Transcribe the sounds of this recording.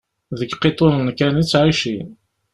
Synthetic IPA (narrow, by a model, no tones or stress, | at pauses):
ðəɡqːet̪ˤonnkænit͡sːʕiʃin